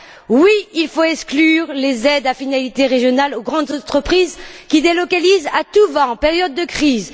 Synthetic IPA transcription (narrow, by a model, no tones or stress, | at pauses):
wiilfoɛksklyʁlezɛd̪afinalit̪eʁeʒjɔnaloɡʁɑ̃d̪zɑ̃t̪χəpχizkʲid̪elɔkalizat̪uvɑ̃ːpeʁjɔd̪ːəkχiz